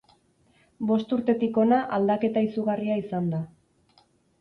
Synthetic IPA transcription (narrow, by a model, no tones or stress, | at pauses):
bo̞st̪uɾt̪e̞t̪iko̞naʔald̪ake̞t̪aisuɣariaisand̪a